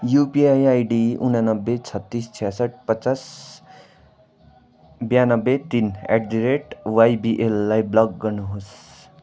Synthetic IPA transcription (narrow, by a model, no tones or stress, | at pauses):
jupiajajɖiṵnanʌbːet͡sʰʌt̪ːist͡sʰijasʌʈ̚ʰpʌt͡sas | bjanʌbːet̪inḛʈ̚ɖiɾeʈwajbiʔelːajblʌɡːʌrnuɦos